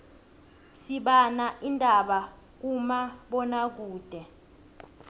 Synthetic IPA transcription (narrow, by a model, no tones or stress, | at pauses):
siɓanaʔindʱaɓa | k̬umaɓɔnak̬uːd̥ʱɛ